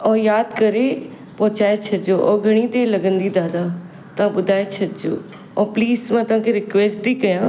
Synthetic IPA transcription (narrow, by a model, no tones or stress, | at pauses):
ɔːjaːd̪kɐɾe | pɔ̃ːt͡ʃaːet͡ʃʰɐd̪d͡ʒoʔɔɡʱɐɽ̃it̪elɐɡə̃nd̪id̪aːd̪a | t̪ɐãɓʊd̪ʱaːet͡ʃʰɐt̪d͡ʒo̰ː | ɔpliːsmãːt̪ɐʋ̤ãːkʰeɾɪkʋeːsʈd̪iːkɐjãː